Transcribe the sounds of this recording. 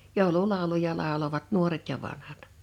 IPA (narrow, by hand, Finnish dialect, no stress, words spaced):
joˑululɑˑulujɑ lɑˑoloʋɑt nuoret jɑ ʋɑnhɑt